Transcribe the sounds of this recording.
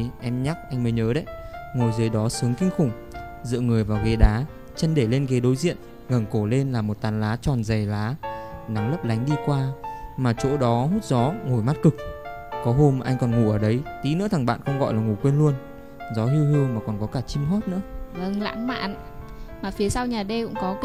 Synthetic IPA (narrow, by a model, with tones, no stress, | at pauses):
ʔɛ˧mɲa˦˥k̚ʔa˧jŋ̟məː˨˦jɲəː˨˦ɗə˨˧˦jŋo˨˩jzəː˨˦jɗɔ˨˦sɨ˨˦əŋkï˧ŋ̟xʊ˨˩ŋ͡m | zɨ̰˧˨ŋɨ˨˩əjvaː˨˩wɣe˨˦ɗaː˨˦ | t͡ɕə˧nɗe˧˩le˧nɣe˨˦ɗo˨˦jzḭ˧˨ən | ŋə˨˩ŋko˧˩le˧nlaː˨˩mo˨˩t̚t̪aː˨˦nlaː˨˦t͡ɕɔ˨˩nzə˨˩jlaː˨˦na˨˦ŋlə˦˥p̚la˨˦jŋ̟ɗi˧kwaː˧maː˨˩t͡ɕo̰˧˥ɗɔ˨˦ɦu˦˥t̚zɔ˨˦ŋo˨˩jma˦˥t̚kɨ˨˩k̚kɔ˨˦ɦo˧m˨ʔa˧jŋ̟kɔ˨˩nŋu˧˩ʔəː˧˩ɗə˨˦jt̪i˨˦nɨ̰˧˥t̪ʰa˨˩ŋɓa̰ː˧˨nkə˧wŋ͡mɣɔ̰˧˨jlaː˨˩ŋu˧˨˩kwe˧nlu˧ən | zɔ˨˦ɦi˧whɨ˧əŋmaː˨˩kɔ˨˩nkɔ˨˦kaː˧˩t͡ɕi˧mɦo˦˥t̚nɨ̰˧˥əvə˧ŋla̰ː˧˥ŋma̰ː˧˨n | maː˨˩fi˨˦əsa˧wɲaː˨˩ɗe˧kʊ̰˧˥ŋ͡mkɔ˨˦